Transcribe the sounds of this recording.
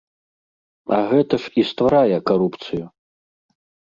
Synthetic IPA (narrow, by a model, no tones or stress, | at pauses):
ɐɣɛt̪ɐʂist̪vaɾajɛkaɾupt̪sɨju